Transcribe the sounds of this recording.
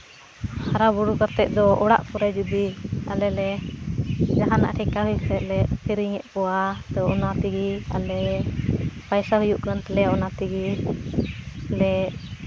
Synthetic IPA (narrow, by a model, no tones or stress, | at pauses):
haɾabuɽukaɾt̪ɛʔ̚d̪ɔʔɔɽa̰ʔpuɾɛd͡ʒud̪ia̰lɛlɛ | d͡ʒaɦana̰ʔʈʰɛkaɦujuʔt̪ɛʔ̪lɛʔpʰiɾiŋɛʔpɔwat̪ɔɔnat̪iɡia̰lɛ | pajsaɦujuʔkant̪ɛlɛɔnat̪iɡi | alɛ